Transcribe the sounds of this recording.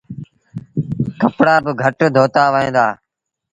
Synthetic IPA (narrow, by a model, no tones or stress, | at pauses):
kəpɽaːbəɡʱəʈd̪ʱoːt̪aːʋẽːd̪aː